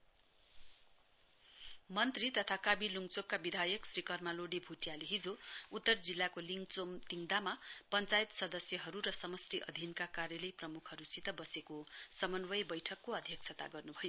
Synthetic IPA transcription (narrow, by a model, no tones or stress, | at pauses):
mʌnt̪rit̪ʌt̪ʰakabiluŋt͡sokːabid̪ʱajʌksrikʌrmaloɽibʱuʈijaleɦid͡zout̪ːʌrd͡zilːakoliŋɡt͡somt̪iŋd̪amapʌnt͡sajt̪sʌd̪ʌsjʌɦʌɾuɾʌsʌmʌsriʔʌ̰d̪ʱinkakarjʌlʌjprʌmukʰhʌɾusit̪ʌbʌsekosʌmʌnwʌjbʌjʈʰʌkːoʌd̪ʱjʌk̚t͡sʰʌt̪a̰ɡʌrnubʱʌjo